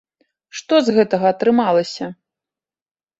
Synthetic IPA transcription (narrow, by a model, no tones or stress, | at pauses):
ʂt̪ɔzɣɛt̪ɐɣɐːt̪ɾɨmalˠɐsʲɐ